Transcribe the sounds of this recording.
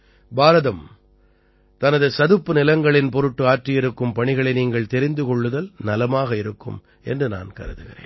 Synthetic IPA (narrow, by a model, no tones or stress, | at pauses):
baːɾɐðɐm | t̪ɐnɐðɯsɐðɯpːɯnɪlɐŋɡɐɭɪnpɔɾɯʈːɯaːʈrɪjɪɾɯkːɯmpɐɳɪɣɐɭɐɪniːŋɡɐɭt̪ɛɾɪnd̪ɯkɔɭːɯðɐlnɐlɐmaːɣɐɪɾɯkːɯ̰m | ɛ̰ndrɯna̰ːnkɐ̰ɾɯðɯɣɪɾḛːn